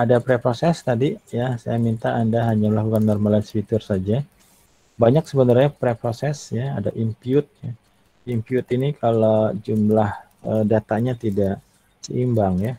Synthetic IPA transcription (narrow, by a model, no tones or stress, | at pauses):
adapɾepɾosɛst̪adijasa̰jamint̪aːndaɦaɲaməlakukannɔrmalansfit̪ʊrsad͡ʒa | baɲak̚səbənarɲapɾepɾosɛsjaa̰daʔimpiʊt̪̚ja | impiʊt̪inikʰalod͡ʒumlah | ədat̪aɲat̪idaʔ | səʔimbaŋja